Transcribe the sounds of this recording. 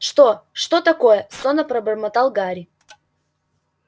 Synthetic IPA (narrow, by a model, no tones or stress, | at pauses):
ʂt̪oʂt̪ot̪ɐkojəsonəpɾɐbərmɐt̪alˠɡaɾʲɪ